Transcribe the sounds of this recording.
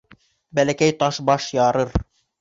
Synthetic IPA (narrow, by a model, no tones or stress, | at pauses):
bælækæjt̪ɑʃbɑʃjɑɾɤɾ